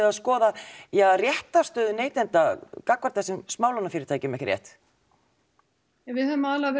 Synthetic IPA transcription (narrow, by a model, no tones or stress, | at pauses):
ɪaðskɔːðajarjɛht̪ast̪œːðʏneːjt̪ɛnt̪akakvaɾt̪θɛsɪmsmaːwlanafɪɾɪɾ̥t̪ʰajcɪmɛhcrjɛ̰ht̪ | ɛvɪðhœvmalavɛ